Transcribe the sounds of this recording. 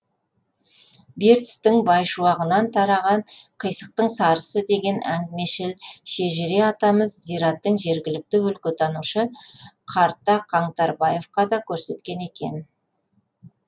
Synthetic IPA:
be̞ɾt̪st̪ɪŋbɑjʃuɑʁənɑnt̪ʰɑɾɑʁɑɴqʰəjsəq̚t̪əɴsɑɾəsəd̪e̞ɡʲe̞næ̰ŋɡmeʃelʃe̞ʒɪɾe̞ɑt̪ɑməzzijɾɑt̪ːəɴʒe̞ɾɡʲɪlɪk̚t̪ɪwɵlkʲʏt̪ʰɑnuʃəqʰɑɾt̪ːɑqʰɑɴt̪ɑɾbɑje̞fqɑd̪ɑkʲʰɵɾse̞t̪kʲe̞ne̞kʲe̞̰n

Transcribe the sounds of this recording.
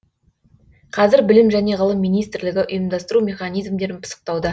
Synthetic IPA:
qʰɑzɪɾbɪlɪmʒæne̞ʁəlˠəmːijnijst̪ɾlɪɡʲɪʔʊjəmd̪ɑst̪əɾumʲe̞χɑnijzmd̪e̞ɾɪnpʰə̥sə̥q̚t̪ɑwd̪ə

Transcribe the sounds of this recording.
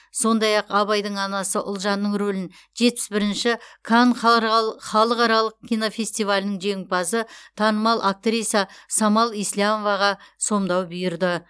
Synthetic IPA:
so̞nd̪ɑjɑqɑβɑjd̪əɴɑnɑsəʔʊlˠʒɑnːəɴɾolɪn | ʒe̞t̪̚pɪ̥sbɪɾɪnʃɪkʰanχχɑlˠəqɑɾɑlˠəq̚kʲijnofʲe̞st̪ijvalʲɪnəŋʒe̞ŋɪpɑsət̪ʰɑnəmɑlˠʔak̚t̪ɾijsɑsɑmɑlˠijslamo̞vɑʁɑso̞md̪ɑwbʏjɪɾd̪ɪ

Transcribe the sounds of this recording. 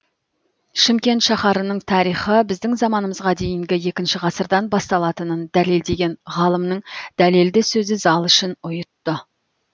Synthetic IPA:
ʃɪmkʲe̞nt̪ʃɑχɑɾənəɴt̪ʰɑɾijχəbɪzd̪ɪŋzɑmɑnəməzʁɑd̪e̞jɪŋɡʲɪje̞kʲɪnʃɪʁɑsəɾd̪ɑnbɑst̪ɑlˠɑt̪ənənd̪æle̞ld̪e̞ɡʲe̞nʁɑlˠəmnəɴd̪̥æle̞ld̪ɪsɵzɪzɑlˠʏʃɪnʊjət̪ːə

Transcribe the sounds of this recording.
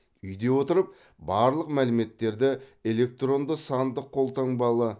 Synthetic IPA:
ʏjd̪e̞wo̞t̪əɾəp̚ | bɑɾlˠəqmælɪme̞t̪ːe̞ɾd̪ɪe̞le̞k̚t̪ro̞nd̪əsɑnd̪əqʰːo̞lˠt̪ɑŋbɑlˠə

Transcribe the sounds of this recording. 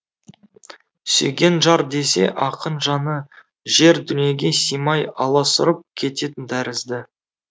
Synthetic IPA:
sɵ̰ɡʲe̞nʒɑɾd̪e̞se̞̰ʔɑqənʒɑnə | ʒe̞ɾd̪ʏnije̞ɡʲe̞sijmɑjɑlˠɑsʊɾəp̚kʲʰe̞t̪e̞t̪ɪnd̪æɾɪzd̪ɪ

